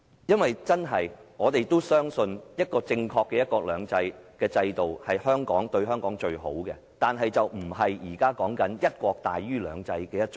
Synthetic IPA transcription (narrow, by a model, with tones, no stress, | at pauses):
jɐ˥nwɐ˨jt͡sɐ˥nɦɐ˨˩jŋɔː˨˧t̪e˨jt̪o˥wsœː˥ŋsɵ˧njɐ˥t̚kɔː˧t͡sɪ˧ŋkʰɔː˧kːɛː˧jɐ˥t̚kɔː˧k̚lœː˨˧ŋt͡sɐ˧jkɛː˧t͡sɐ˧jt̪o˨whɐ˨jhœː˥ŋkɔ̰ː˨˥ŋt̪ɵ˧ɥɦœː˥ŋkɔː˨˥ŋt͡ʃɵ˧ɥho̰˨˥wkɛ̰˧t̪aː˨nɦɐ˨jt͡sɐ˨wm̩˨˩hɐ˨jjiː˨˩kaː˥kɔː˨˥ŋkɐ˨˥njɐ˥t̚kʷɔː˧k̚t̪a̰ː˨jɥyː˥lœ̰ː˨˧ŋt͡sɐ˧jkɛː˧jɐ˥t̚t͡ʃ